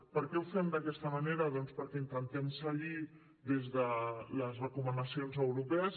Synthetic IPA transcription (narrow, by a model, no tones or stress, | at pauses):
pəɾkɛwfɛmd̪əkɛst̪əməneɾəðɔnspəɾkɛint̪ənt̪ɛmsəʎi | ðezðələzrəkumənəsionzəwɾupɛəs